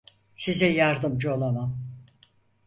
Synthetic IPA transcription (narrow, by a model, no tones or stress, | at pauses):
sizɛjaɾd̪ɯmd͡ʒɯolˠamam